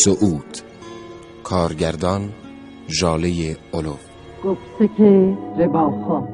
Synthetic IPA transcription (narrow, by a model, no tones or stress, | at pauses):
soʔuːt̪ | kʰɒːɾɟæɾd̪ɒn | ʒɒːlejeolof | ɡ̥oft̪ekʰeɾebɒːxɔː